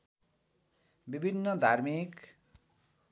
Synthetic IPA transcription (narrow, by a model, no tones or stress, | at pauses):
bibʱinːʌd̪ʱarmik